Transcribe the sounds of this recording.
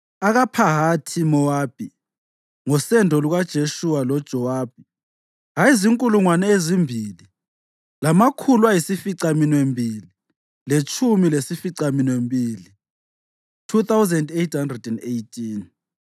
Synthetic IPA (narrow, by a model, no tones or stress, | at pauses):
aɣapʰaɦatʰimɔwaːb̥ʱi | ŋɔsɛndʱɔluɣad̥ʒ̥ʱeʃuwalɔd̥ʒ̥ʱɔwaːb̥̚ʱi | ɣaiziŋkʼuluŋwanɛezimbʱili | lamakʰulwajisifiǀaminwembʱiːli | let͡ʃʰʼumilesifiǀaminwembʱiːli | tʰuθawzɛndejtʰhandrɛdɛndejtʰʼin